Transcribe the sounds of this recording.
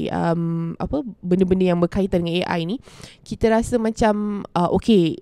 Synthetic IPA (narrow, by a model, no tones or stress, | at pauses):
ə̰ma̰pəbəndəbəndəjaŋbərkait̪andəŋaneʔa̰jinĩkit̪əɾasəmãt͡ʃamʔəʔoke